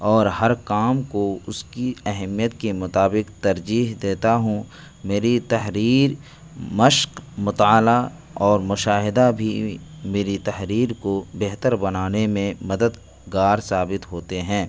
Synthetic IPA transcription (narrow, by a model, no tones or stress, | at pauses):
ɔːɾɦɐɾkaːmkoʊskiɛɦmijət̪kemʊt̪aːbɪqt̪ɐɾd͡ʒiːɦd̪eːt̪aɦũ | meːɾit̪ɐɦɾiːɾ | məʃqmʊt̪aːla | ɔːɾmʊʃaːɦɪd̪abʱimeːɾit̪ɐɦɾiːɾkobeɦt̪əɾbɐnaːnemẽmɐd̪əd̪ | ɡaːɾsaːbɪt̪ɦoːt̪eɦɛ̃ː